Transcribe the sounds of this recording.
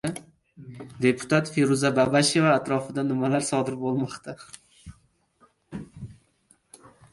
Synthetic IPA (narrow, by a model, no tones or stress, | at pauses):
d̪e̞pʰʊ̥t̪ʰat̪feɾuzababaʃe̞vaːt̪ɾɒfɪd̪anɪmalaɾsɒd̪ɪɾbolˠmɒqt̪ʰa